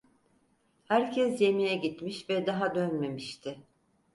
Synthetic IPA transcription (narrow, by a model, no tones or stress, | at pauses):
hæɾcʰɛsje̞mijɛɟit̪miʃvɛd̪aɦad̪ønme̞miʃt̪ʰɪ